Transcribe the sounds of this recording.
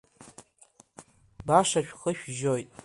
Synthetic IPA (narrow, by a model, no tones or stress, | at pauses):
baʂaʃᶣχəʃᶣʒojtʼ